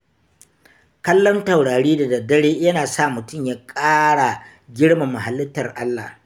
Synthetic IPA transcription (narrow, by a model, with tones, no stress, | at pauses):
kɐ˦lːɔ˦nta˨wɽaː˨ɽiː˦da˨dɐ˨dɐ˦ɽeː˦jɐ˦naː˨sa˦˨mʊ˨tʊ˦˨mjaː˦kʼaː˦ɽa˨ | ɡʲɪ˦ɽma˨mːa˨ɦa˨lːɪ˦tːɐ˨rʔa˦lːa̰ː˨h